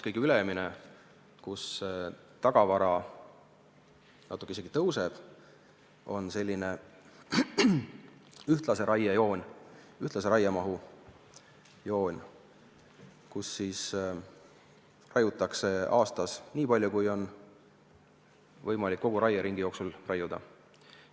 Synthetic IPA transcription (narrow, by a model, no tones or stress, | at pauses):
kɤjɡkyleɛmine | kus | t̪ɑɡ̥ɑvɑɾɑ | nɑt̪ːˑukeiseɡ̥it̪ɤwse̞b̥ | o̞̰nse̞lʲːine̞ | yht̪lɑse̞ɾʔɑjejo̞ːnʲ | yht̪lɑseɾɑjɑmɑɦu | jo̞ːnʲ | kusːiːs | rɑjut̪ːˑɑkse̞ɑːst̪ɑsniːpɑlʲjukujo̞n | vɤjmɑlʲikːo̞ɡ̥uɾɑjɑɾiŋɡ̥ijo̞ːksulrɑjud̪̥ɑ̰